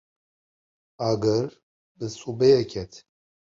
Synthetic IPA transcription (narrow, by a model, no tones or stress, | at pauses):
aɡɛɾ | bɨsubɛjɛkʲʰɛt̪ʰ